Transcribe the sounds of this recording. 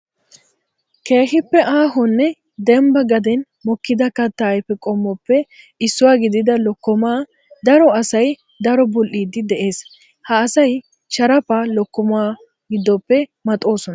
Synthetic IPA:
ke̞ːɦɪpːɛʔaːɦɔnːɛ | d̪ɛmbɐɡɐd̪ɛn | mɔkːɪd̪ɐkɐt̪ːɐːjpːɛkʼɔmːɔpːɛ | ɪsːʊwaːɡɪd̪ɪd̪ɐlɔkːɔmaː | d̪ɐɾɔɐsɐj | d̪ɐɾɔbɔlʔiːd̪ɪd̪ɛʔe̞ːs | hɐːsɐj | t͡ʃɐɾɐpalɔkːɔmaː | ɡɪd̪ːɔpːɛmɐt̪ʼo̞ːsɔnɐ

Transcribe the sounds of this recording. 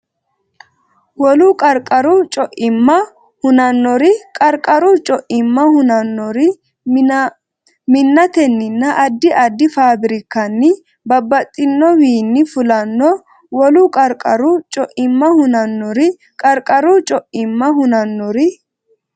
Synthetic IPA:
wɔlʊkʼɐɾkʼɐɾʊt͡ʃʼɔʔɪmːɐ | hʊnɐnːɔɾɪkʼɐɾkʼɐɾʊt͡ʃʼɔʔɪmːɐhʊnɐnːɔɾɪ | mɪnːɐt̪ɛnːɪnːɐʔɐd̪ːɪʔɐd̪ːɪfaːbɪɾɪkːɐnːɪ | bɐbːɐt̪ʼːɪnːɔwiːnːɪfʊlɐnːɔ | wɔlʊkʼɐɾkʼɐɾʊt͡ʃʼɔʔɪmːɐhʊnɐnːɔɾɪ | kʼɐɾkʼɐɾʊt͡ʃʼɔʔɪmːɐhʊnɐnːɔɾɪ

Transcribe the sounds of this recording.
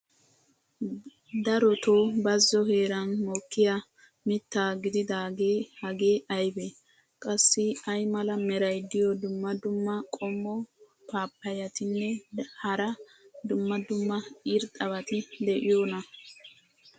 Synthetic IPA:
d̪ɐɾɔt̪oːbɐzːɔhe̞ːɾɐnmoːkːɪja | mɪt̪ːaːɡɪd̪ɪd̪aːɡeːhɐɡeːʔɐjbe | kʼɐsːɪɐjmɐlɐmɛɾɐjd̪ɪjɔd̪ʊmːɐd̪ʊmːɐkʼɔmːɔ | paːpːɐjɐt̪ɪnːɛhɐɾɐd̪ʊmːɐd̪ʊmːɐiːɾt̪ʼɐβɐt̪ɪd̪ɛʔɪjoːnɐ

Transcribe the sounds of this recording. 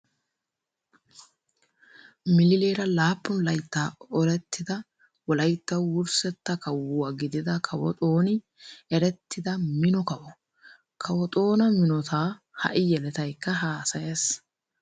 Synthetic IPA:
mɪlɪleːɾɐlaːpːʊnlɐjt̪ːaːɔɾɛt̪ʰːɪd̪ɐ | wɔlɐjt̪ːɐwwʊɾsɛt̪ːɐkɐwʊɐɡɪd̪ɪd̪ɐkʰɐwɔ̰t̪ʼo̞ːnɪ | ɛɾɛt̪ːɪd̪ɐmɪnɔkɐwɔ | kʰɐwɔt̪ʼo̞ːnɐmɪnɔt̪ʰaː | hɐ̰ʔɪjɛlɛt̪ɐjkːɐɦaːsɐjes

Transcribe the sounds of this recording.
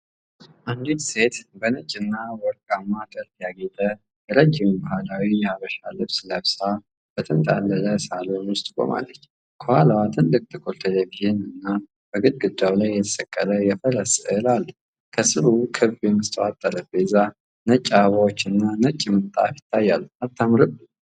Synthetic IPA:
ʔand̪it̪se̞t̪bənət͡ʃʼːɪnːawɔɾkʼamːad̪əɾtjaɡe̞t̪ʼə | jɛɾəd͡ʒːɪmbahalawijɛaβəʃalɨβslaβsa | b̥ət̪ʰənt̪ʼa̰lːələsalonwʊst̪ʼkʼo̰ma̰lːət͡ʃː | kʰohalawat̪ʰɨnlɨk̚ʼt̪ʰɨkʰʼolt̪ʰelebiɨnɨnːa | b̥əɡɨd̪ɡɨd̪awlajːɛt̪ʰəsʼəkʼːələjɛfələsəlalː | kʰəsɨɾukʰɨβjɛmɨst̪ʰʼəwat̪ʼːələbeza | nət͡ʃʼːaβawot͡ʃːɨnːanət͡ʃʼːimət̪ʼa̰fjɪ̥t̪ʰːajːalːuat̪ʰːamɾɨbɨ

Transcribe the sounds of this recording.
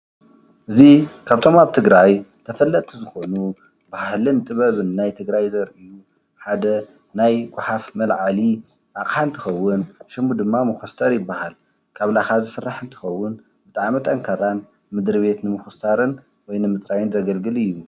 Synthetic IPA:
ʔɨzikʰaβt̪ʰo̞maβt̪ʰɨɡɾajt̪ʰɐfɐlːɐt̪ʼizɨxo̞nu | bahlɨnɨt̪ʼɨβɐβɨnːajt̪ʰɨɡɾajzɐɾɨju | ħad̪ɐ | najɡʷʊħafmɐlʕali | ʔakʼħaɨnt̪ʰɨxɐwːʊnʃɨmud̪ɨmːamɨxɐst̪ʰʼɐɾjɪbːahal | kʰaβlaxazɨsɨrːaħɨnt̪ʰɨ̥xɐwːʊn | bɨt̪ʼaʕmit̪ʼɐŋkʰaɾan | mɨd̪ɾɨβe̞t̪nɨmɨxusaɾɨn | wɔjnɨmɨt̪ʼɾajɪnzɐɡɐlɡɨlɨjːu

